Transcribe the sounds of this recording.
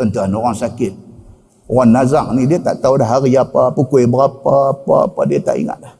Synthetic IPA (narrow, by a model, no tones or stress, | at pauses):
əntəanuɣɔnsakit̚ | ɣɔnːazaŋnideta̰ʔtawdaɦaɣəjapapəkʷeibəɣapapa̰pa̰deta̰ʔḭŋa̰ʔɗa